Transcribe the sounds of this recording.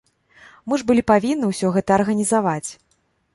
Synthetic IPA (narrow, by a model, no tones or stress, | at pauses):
mɨʐbɨlʲipavʲinːɨwsʲɔɣɛt̪ɐːrɣɐnʲizavat͡sʲ